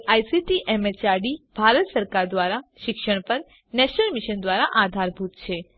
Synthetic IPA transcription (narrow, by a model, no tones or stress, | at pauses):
ajsiʈiʔɛmet͡ʃaɖib̥ʱaɾət̪səɾkaɾd̪ʋaɾaʃɪkʃəɳ̃pəɾ | nɛʃnəlmiʃənd̪ʋaɾaʔad̪ʱaɾbʱut̪t͡ʃʰe